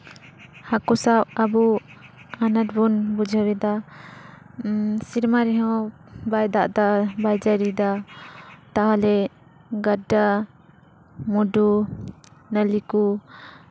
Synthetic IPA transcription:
hakusawabu | anat̚bunbud͡ʒʱaɾɛd̪a | siɾmaɾiɦɔ | bajd̪aʔd̪abajd͡ʒaɾid̪a | t̪aɦalɛ | ɡada | mudu | nəliku

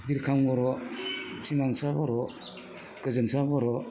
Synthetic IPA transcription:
biɾkʰaŋɔɾɔsimaŋsabɔɾɔ | kɯzɯnsabɔɾɔ

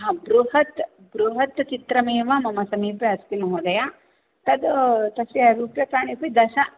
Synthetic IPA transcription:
ɦɐbɾuɦɐt̪ | bɾuɦɐt̪t͡ʃit̪ɾɐmeːʋamɐmɐsɐmiːpjɐɐsk̪inɐɦoːd̪ɐja | t̪ɐd̪t̪ɐsjɐɾuːpjɐk̪aːnipid̪ɐʃɐ

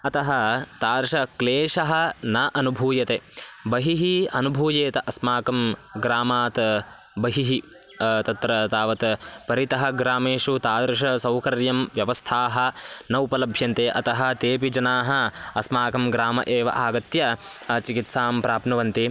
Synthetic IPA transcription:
ɐt̪ɐɦɐt̪aːɾʂɐkleːʂɐɦɐ̆nɐʔɐnubʱuːjɐt̪eːbɐɦiɦiɐnubʱuːjeːt̪ɐʔɐsmaːkɐmɡɾaːmaːt̪ | bɐɦiɦi | t̪ɐt̪ɾɐt̪aːʋɐt̪pɐɾit̪ɐɦɐ̆ɡɾaːmeːʂut̪aːd̪ɾʂɐsɐwkɐɾjɐmʋjɐʋɐst̪ʰaːɦɐ̆nɐupɐlɐbʱjɐnt̪eːʔɐt̪ɐɦɐ̆t̪eːpid͡ʒɐnaːɦɐɐsmaːkɐmɡɾaːmɐ̰ʔeːʋɐ̰ʔaːɡɐt̪jɐt͡ʃikit̪saːmpɾaːpnɐʋɐnt̪i

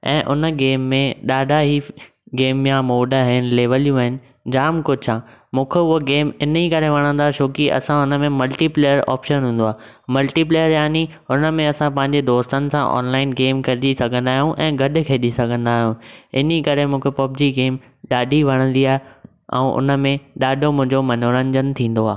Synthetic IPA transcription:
ɛ̰̃ːʔʊnəɡeːmːẽɗaːɖʱaɦiː | ɡeːmjãmoːɖəɦɪnɪ̆leːʋəlijũɐɦɪnɪ̆ | d͡ʑaːmkʊt͡ɕʰãːmũːkʰeʊɦoɡeːmɪnikɐɾeʋɐɽ̃ə̃nd̪aːʃʰoːkiʔɐ̰sãʊnəmẽmɐlʈiːpleːjəɾɔ̰ːpʃənɦũːn̆d̪oaː | mɐlʈiːp̬leːjəɾjaːni | ʊnə̆mẽɐsãpɐ̃ɦɪ̃ɲd͡ʑed̪oːst̪ənɪ̆sã̰ʔɔ̰ːnlaːɪnɡeːmkɐɾɪɗisɐɡʱə̃nd̪aːɦijũʔɛ̃ːɡʱɐɗʊ̆kʰeːɗisɐɡʱə̃nd̪aːɦijũɪnikɐɾemũːkʰepob̚d͡ʑiɡeːm | ɗaːɖʱiʋɐɽ̃ə̃nd̪iaːɦe | ɛ̰̃ːʔʊ̰nə̆mẽɗaːɖʱomʊ̃ɦɪ̃ɲd͡ʑomɐnoːɾə̃ɲd͡ʑənt̪ʰĩːn̆d̪oaː

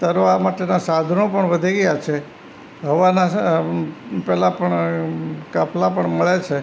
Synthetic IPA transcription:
t̪əɾoamaʈenasad̪ʱənopəɳʋəd̪ʱiɡəjat͡ʃʰe | ɦəʋana | pɛlapəɳ | kaplapəɳməɭet͡ʃʰe

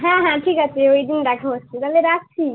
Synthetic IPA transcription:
ɦãɦãʈʰikət͡ʃʰioid̪inɾakʰost͡ʃʰiɾəleɾak̚t͡ʃʰi

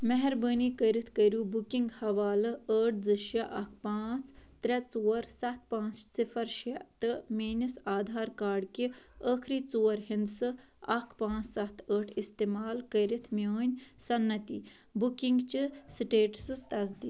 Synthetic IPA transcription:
mɛɦɛɾbəːnikəjɾit̪ʰkəjɾuːbukiŋɡhɐʋaːlɨəːʈ̚ʰd͡zɨʃjɐʔɐkʰpãːt͡st̪ɾʲɐt͡soːɐɾsɐt̪̚ʰpãːt͡ssifʰɐɾʃɐt̪ɨmiːnisaːd̪ʱaːɾkaːɾɖkiəːkʰɾiːt͡soːɾɦind̪sɨ | ɐkʰpãːt͡ssɐt̪ʰəːʈʰist̪eːmaːlkɐjɾit̪ʰmoːnʲsɐnːɐt̪i | bukiŋɡt͡ʃisʈeːʈsɨt̪ɐs̬d̪iː

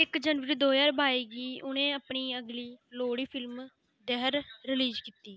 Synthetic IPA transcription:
ɪkd͡ʒənʋəɾiːd̪oːjaːɾbʱaːiːɡiːʔʊnẽːəːpɳiːəɡliːloːɽiːpʰɪlm | d̪ɛɦəɾɾɪliːd͡ʒkiːt̪iː

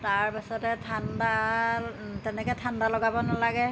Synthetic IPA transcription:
taɹpasɔtɛtʰanda | tɛnɛkɛjtʰandalɔɡabɔnalaɡɛ

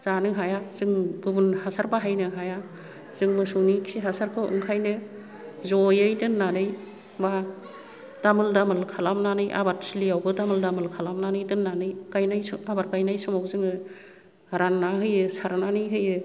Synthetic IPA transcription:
z̥anɯɦajaz̥ɯŋɡubunhasaɾbaɦajnɯɦaja | z̥ɯŋmɯsunikʰsiɦasaɾkʰɯɯ̰ŋkʰajnɯ | zɔjɯjdɯnːanɯj | ba | d̥amɯldamɯlkʰalamnanɯjʔa̰baɾsilijawbɯdamɯldamɯlkʰalamnanɯjdɯnːanɯjkajnajsabaɾkajnajsɔmawzɯŋɯ | ɾanːaɦɯjɯsaɾnanɯjɦɯjɯ

